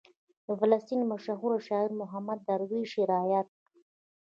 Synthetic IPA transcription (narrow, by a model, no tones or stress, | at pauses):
falast̪inmaʃaɦuɾaʃɑiɾmʊɦamad̪ːaɾwiʃiɾɑjat̪̚